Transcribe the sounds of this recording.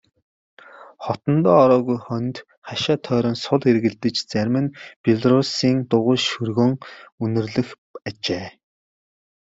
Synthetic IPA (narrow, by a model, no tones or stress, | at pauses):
χɔt̪ɞ̆nt̪ɔːɾɔːɣujχœnʲt̪ | χaʃaːt̪ʰœːɾɞːnsʊɮerɣɘ̆ɮt̪ɘ̆t͡ɕt͡sæɾʲmɘ̆npʲiɮrʊsiːŋt̪ʊʁʊːʃɵrɣoːŋɵnɵ̆rɮɘ̆x | at͡ɕeː